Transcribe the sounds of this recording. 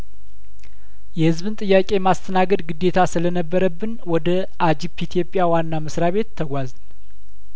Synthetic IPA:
jɛhɨzβɨnt̪ʼɨjːakʼe̞mast̪ʰənaɡəd̪ɡɨd̪ːe̞t̪ʰasɨlənəbːəɾəbːɨnwɔd̪ə | ʔad͡ʒipʰit̪ʰijo̞pʼːjawanːaməsɾaβe̞t̪ʰːəɡʷazn

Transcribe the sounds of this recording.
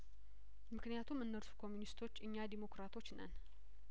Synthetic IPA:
mɨknijat̪ʰumɨnːəɾsu̥kʰo̞mːjunist̪ʰo̞t͡ʃːɨɲːad̪imo̞kɾat̪ʰo̞t͡ʃːnə̰n

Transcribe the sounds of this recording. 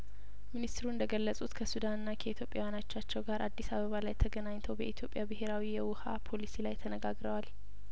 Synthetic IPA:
minist̪ɾuɨnd̪əɡəlːəsʼut̪kʰəsud̪anɨnːakʰəit̪ʰjo̞pʼjawjanat͡ʃːat͡ʃːɛwɡaɾʔad̪ːisaβəβalajt̪ʰəɡənaɲt̪ʰəwbəʔit̪ʰjo̞pʼjabɨɦeɾawijɛwʊhapʰo̞lisilajt̪ʰənəɡaɡɾəwal

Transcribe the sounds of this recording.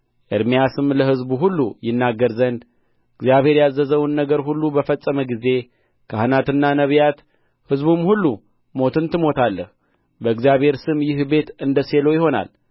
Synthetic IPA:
ʔɨɾmijasɨmləɦɨzbuɦulːujɪnːaɡːəɾzənd̪ | ɨɡzijaβhe̞ɾjazːəzəwnːəɡəɾɦulːubəfəsʼːəməɡize̞ | kʰahɨnat̪ɨnːanəβjat̪ | hɨzbumhulːu | mo̞t̪ʰɨnt̪ɨmo̞t̪ʰalːəh | bəɨɡzijaβhe̞ɾsɨmjɪhbe̞t̪ɨnd̪əse̞lo̞jɪho̞na̰l

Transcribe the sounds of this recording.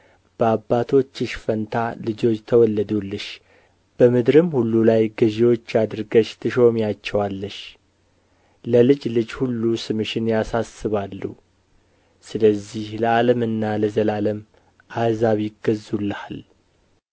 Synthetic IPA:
b̥əabːat̪ʰo̞t͡ʃːɨʃfənt̪ʰalɨd͡ʒo̞t͡ʃːt̪ʰəwɔlːəd̪ulːɨʃ | b̥əmɨd̪ɾɨmhulːulajɡəʒiwo̞t͡ʃːjad̪ɨɾɡəʃt̪ʰɨʃo̞mjat͡ʃːɛwalːəʃ | ləlɨd͡ʒlɨd͡ʒhulːusɨmɨʃɪnjasasːɨβalːṵ | sɨləzːihləaləmɨnːaləzəlaləm | ʔazaβjɪɡəzulːəhal

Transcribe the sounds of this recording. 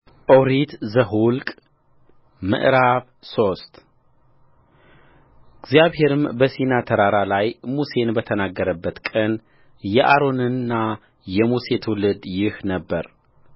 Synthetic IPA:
ʔoɾit̪zəɦulkʼ | mɨ̰ʔɾaβ | so̞st̪ | ɨɡzjaβhɦe̞ɾɨmbəsinat̪ʰəɾaɾalajmuse̞nbət̪ʰənaɡːəɾəbːət̪kʼən | jɛʔaɾo̞nɨnːa | jɛmuse̞t̪ʰwulɨd̪jɪhnəbːəɾ

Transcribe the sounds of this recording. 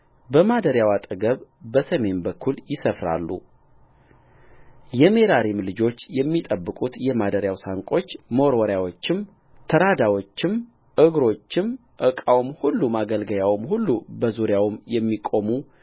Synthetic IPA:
bəmad̪əɾjawat̪ʼəɡəβbəsəme̞nbəkʰːuljɪsəfɾa̰lːṵ | jɛme̞ɾaɾimlɨd͡ʒo̞t͡ʃːjɛmːit̪ʼəbːɨkʼut̪jɛmad̪əɾjawsaŋkʼo̞t͡ʃːməwɾwɔɾjawo̞t͡ʃːɪm | t̪ʰəɾad̪awo̞t͡ʃːɪm | ʔɨɡɾo̞t͡ʃːɪm | ʔɨkʼawmhulːumaɡəlɡəjawɨmhulːubəzuɾjawmjɛmːikʼo̞mu

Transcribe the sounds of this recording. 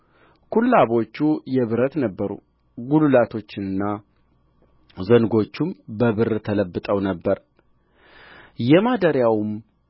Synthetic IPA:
kʰulːaβo̞t͡ʃːujɛβɨɾət̪nəbːəɾṵ | ɡululat̪ʰo̞t͡ʃːɪnɨnːa | zənɡo̞t͡ʃːumbəβɨɾt̪ʰələbːɨt̪ʼəwnəbːəɾ | jɛmad̪əɾjawm

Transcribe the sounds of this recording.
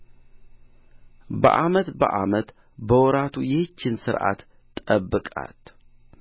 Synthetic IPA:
bə̰ʔamət̪bə̰ʔamət̪ | bəwɔɾat̪ʰujɛht͡ʃːɪnsɨɾʔa̰t̪ːʼ | əbːɨkʼa̰t̪

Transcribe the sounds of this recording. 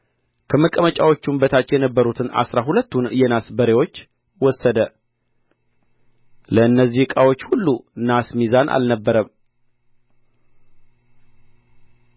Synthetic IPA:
kʰəməkʼəmət͡ʃʼawo̞t͡ʃːumbət̪ʰat͡ʃːjɛnəbːəɾut̪ʰɨna̰sɾaɦulət̪ːunɨjɛnasbəɾewo̞t͡ʃː | wɔsːəd̪ə | ləɨnːəzːihɨkʼawo̞t͡ʃːhulːunasmizanʔa̰lnəbːəɾəm

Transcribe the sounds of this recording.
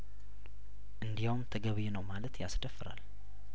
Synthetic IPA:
ʔɨnd̪ijawmt̪ʰəɡəβjɛnəwmalət̪jasd̪əfːɨɾa̰l

